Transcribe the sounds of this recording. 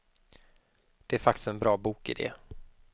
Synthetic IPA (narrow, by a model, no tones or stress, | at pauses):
d̪̥ɛæɾfakt̪ɪ̥st̪ɛnbɾɑːbuːkɪ̰d̪ɛ̰